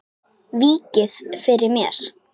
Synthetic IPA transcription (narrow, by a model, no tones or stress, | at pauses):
viːcɪðfɪɾɪɾmjɛɾ̥